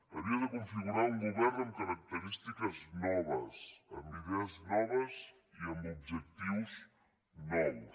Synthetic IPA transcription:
əβiəðəkuɱfiɣuɾauŋɡuβɛrəŋkəɾək̚t̪əɾist̪ikəznɔβəsəmbiðeəznɔβəz | iəmbub̚ʒək̚t̪iws | nɔw

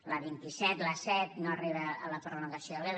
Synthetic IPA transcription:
ləβint̪isɛt̪ləsɛt̪noəriβəːləpɾoluŋɡəsjoəle

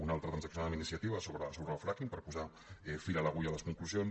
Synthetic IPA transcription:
unalˠt̪ɾət̪ɾanzəksinalminisiat̪iβəsoβɾəasuɾnalˠfɾakimpəɾpuza | ɛfiɾaləɣuʎaləskuŋkluzjons

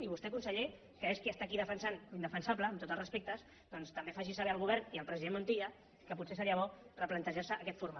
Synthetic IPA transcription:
iβust̪ɛkunsəʎe | kəeskiəst̪akiðəfənsanind̪əfənsabləːmt̪ot̪əlˠrəspek̚t̪əs | d̪̥ɔnst̪əmbefaʒisəβɛəlɣ̞uβ̞ɛɾniəlˠpɾəziðemunt̪iə | kəput̪sesəɾiəβɔrəplənt̪əʒasəːkɛt̪fuɾma

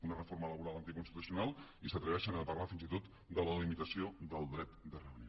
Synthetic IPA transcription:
unərəfoɾmələβuɾalˠənt̪ikunst̪it̪usiunalˠisət̪ɾəβɛʃənəpərlafinzit̪ot̪ | d̪ələlimit̪əsiod̪əlˠd̪ɾɛt̪d̪ərəənio

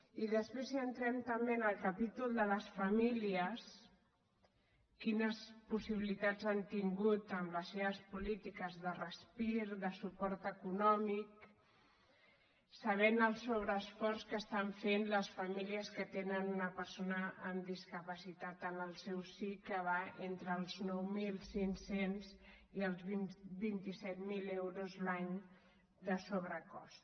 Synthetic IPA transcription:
iðəspɾeziənt̪ɾɛmt̪əmbenəlˠkapit̪ulˠd̪ələsfəmiliəs | kinəspusiβilit̪ad͡zant̪iŋɡut̪əmləseβəspulit̪ikəzðərəspiɾðəsupɔɾt̪əkunɔmik | səβ̞enəlˠsoβ̞ɾəːsfɔrskəst̪aɱfenləsfəmiliəskət̪enənunəpəɾsonəəmd̪iskəpəsit̪at̪ənəlˠsɛwsikəβaʔent̪ɾəːlˠznɔwmilˠsinsenziəlˠzβibint̪isɛt̪milewɾuzlaɲ | d̪əsoβ̞ɾəkɔ̰st̪

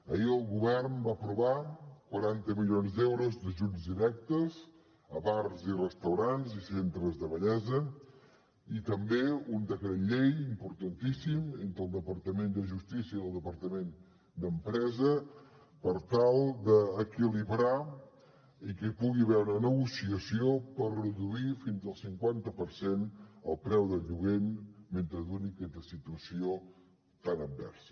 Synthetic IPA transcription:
əiəlˠɣuβɛrnbapɾuβakwəɾant̪əmilionzd̪ɛwɾuzd̪əʒud͡zd̪iɾɛk̚t̪əz | əβarzirəst̪əwɾanzisent̪ɾəzðəβəʎɛzə | it̪əmbeund̪əkɾəʎejimpuɾt̪ənt̪isiment̪ɾəlˠd̪əpəɾt̪əmend̪əʒust̪isiəiðəlˠd̪əpəɾt̪əmen | d̪əmpɾɛzə | pəɾt̪alˠd̪əːkiliβɾa | ikəpuɣiβɛwɾənəɣusiəsiopərrəðuifinzəlˠsiŋkwant̪əpəɾsenə̰lˠpɾɛwðəʎuɣenment̪ɾəðunikɛt̪əsit̪uəsio | t̪anəm̚bɛ̰ɾsə̥

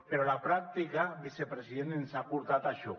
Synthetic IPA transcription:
peɾɔlapɾak̚t̪ikaβisepɾesiðenenzapuɾt̪at̪aʃɔ

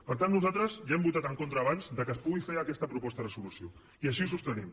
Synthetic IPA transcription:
pəɾt̪anːuzat̪ɾəzʒaɛmbut̪at̪əŋkont̪ɾəːβanzd̪əkəspuɣifeɾəkɛst̪əpɾupɔst̪əðəsulusio̰ | iəʃ̬iusust̪ənim

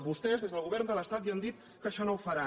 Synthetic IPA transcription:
βust̪ɛzðezðəlˠɣuβɛɾnd̪ələst̪at̪iand̪it̪̚ | kəʃɔnowfəɾa

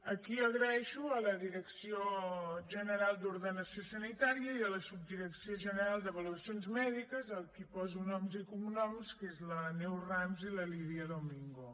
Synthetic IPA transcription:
əkiəɣɾəɛʃuələðiɾəksioʒənəɾalˠd̪uɾðənəsiosənit̪aɾiəiələsub̚d̪iɾəksioʒənəɾalˠd̪əβəluəsionzmɛðikəzəlˠkipɔzunɔmzikumunɔmskezlənɛwramziləliβiəðomiŋɡo

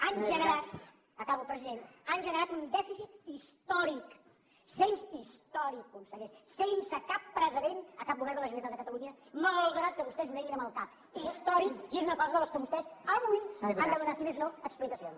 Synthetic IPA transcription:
anʒənəɾat̪ | əkaβəlˠpɾəziðenanʒənəɾat̪und̪ɛfisit̪ist̪ɔɾik | sensist̪ɔɾikːunsəɣeʃsensəkapːɾəziðenəkap̚buɣɛɾðələʒunəit̪at̪d̪əkət̪əluɲəməəlˠɣɾat̪̚kəβust̪ɛznunɛɣinəməlˠkap | ist̪ɔɾikiezunəkɔzəðələskəβust̪ɛsəβujand̪əmənasimeznoəksplik̪əsion

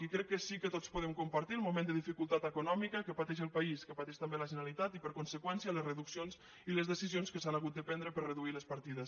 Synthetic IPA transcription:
ikɾɛkːəsikət̪ot͡spuðemkumpaɾt̪iəlˠmumẽnd̪əðifikulˠt̪at̪əkunɔmikəkəpat̪ɛʃ̬əlˠpaiskəpat̪ɛʃt̪ambeləʒənalit̪at̪ipəɾkunsəkwɛnsiələzrəðuksionz | iləzðəsizionskəsanaɣut̪̚d̪əpɛnd̪ɾəpəɾrəðuiləspaɾt̪iðəs

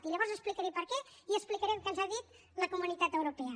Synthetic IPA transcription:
t̪iʎəβɔɾzəsplikəɾɛpəɾkɛiəsplikəɾɛmkənzaðit̪ | ləkumunit̪at̪əwɾupɛə

